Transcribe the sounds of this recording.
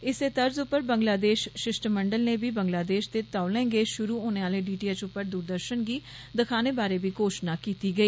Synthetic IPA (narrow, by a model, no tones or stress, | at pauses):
ɪseːt̪əɾzʊpːəɾbəŋɡlaːd̪eːʃʃɪʃʈməɳɖəlneːbiːbəŋɡlaːd̪eːʃd̪eːt̪aːʊlɛ̃ːɡeːʃʊɾuːɦoːneːaːleːɖiːʈiːɛːt͡ʃʊpːəɾd̪uːɾd̪əɾʃənɡiː | d̪əkʰaːneːbaːɾeːbiːkoːʃnaːkiːt̪iːɡəiː